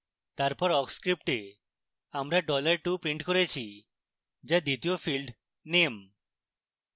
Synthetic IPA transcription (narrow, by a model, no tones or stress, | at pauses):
t̪aɾpɔɾɔkskɾip̚ʈe | amɾaɖɔlaɾʈupɾiɳʈkoɾet͡ɕʰi | d͡ʑad̪it̪iofilɖ | nem